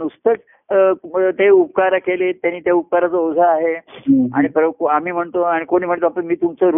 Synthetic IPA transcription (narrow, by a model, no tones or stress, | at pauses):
nust̪ək | t̪eupkaɾakelet̪janːiːt̪jaup̚kaɾat͡səod͡zʱaːɦea̰ɽ̃ipɾkoam̤iːm̤əɳt̪oaɽikoɽ̃iːm̤əɳt̪oapəɳmiːt̪umt͡səɾ